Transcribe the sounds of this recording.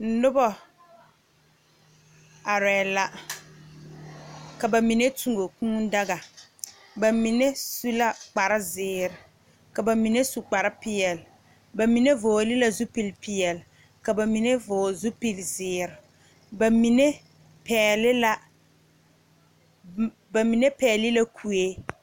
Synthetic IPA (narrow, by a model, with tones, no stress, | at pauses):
n̩˨˦nʊ˦bɔ˨ | a˨ɾɛː˨la˨ | ka˨ba˨mi˨ne˦tu˨ŋo˨kũː˦da˦ɣa˨ | ba˨mi˨ne˦su˦la˦k͡pa˨ɾɪ˦zɪː˨ɾɪ˨ | ka˨ba˨mi˨ne˦su˨k͡pa˨ɾɪ˦pɪ˦˨ɛ˨l | ba˨mi˨ne˦voː˨lɪ˦la˦zu˦pi˨lpɪ˨ɛ˨l | ka˨ba˨mi˨ne˦vʊː˨zu˦pi˨lzɪː˨ɾɪ˨ | ba˨mi˨ne˦ | pɛː˨lɪ˦la˦ | ba˨mi˨ne˦pɛː˨lɪ˦la˦kʰu˨e˦